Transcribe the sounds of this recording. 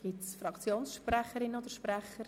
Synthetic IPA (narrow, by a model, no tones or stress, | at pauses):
ɡ̥itsfɾɑkt͡sjoːnsʃprɛχəɾɪnəod̪əʃprɛχəɾ